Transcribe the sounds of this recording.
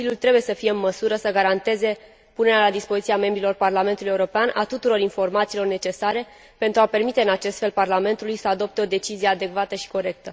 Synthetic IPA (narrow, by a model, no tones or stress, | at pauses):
ilʲjult̪ɾe̞buje̞səfijeɨnməsuɾəsəɡaɾant̪e̞ze̞ | pune̞ɾealad̪ispo̞zit̪siame̞mbɾilo̞rparlame̞nt̪uluje̞uɾopeanʔat̪ut̪uɾo̞ɾinfo̞rmat̪siːlo̞rne̞t͡ʃe̞saɾe̞ | pe̞nt̪ɾuape̞rmit̪e̞ɨnat͡ʃe̞st̪fe̞lparlame̞nt̪ulujsəad̪o̞p̚t̪e̞o̞d̪e̞t͡ʃizijead̪e̞kvat̪əʃi̥ko̞ɾe̞k̚t̪ə